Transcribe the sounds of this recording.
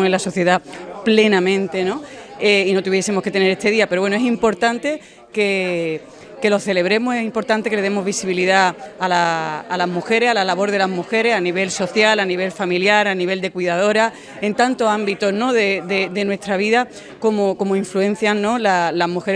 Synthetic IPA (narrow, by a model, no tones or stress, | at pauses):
elaso̞θje̞ðaple̞nãmẽnt̪e̞no̞eino̞t̪uβje̞semoke̞t̪e̞ne̞ɾe̞t̪e̞ðiapeɾowenoe̞simpo̞ɾt̪ant̪e̞ | ke̞ | ke̞lo̞θe̞le̞β̞ɾe̞mose̞simpo̞ɾt̪ant̪e̞kele̞ðe̞mo̞ɦβisiβiliðaːlaːlaɦmuxe̞ɾe̞salalaβo̞ɾð̞e̞laɦmuxe̞ɾe̞saniβ̞e̞lso̞θjalaniβe̞lfamiljaɾaniβ̞e̞ld̪e̞kwiðað̞o̞ɾa | e̞nt̪ant̪oambit̪o̞zno̞ðe̞ðe̞d̪e̞nwe̞st̪ɾaβ̞iða | ko̞mo̞ko̞moiɱfluẽ̞n̟θjanːo̞lalaɦmuxe̞ɾ